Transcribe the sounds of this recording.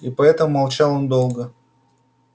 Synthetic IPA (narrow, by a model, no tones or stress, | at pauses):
ipɐɛt̪əmmɐlˠt͡ɕɑlˠond̪o̞lˠɡə